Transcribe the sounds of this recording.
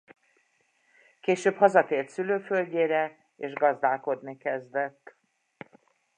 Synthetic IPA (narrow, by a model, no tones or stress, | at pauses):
keːʃøːphɒzɒt̪eːlt̪syløːfølɟeːɾɛ | eːʒɡɒzd̪aːlko̞d̪nikɛzd̪ɛt̪ː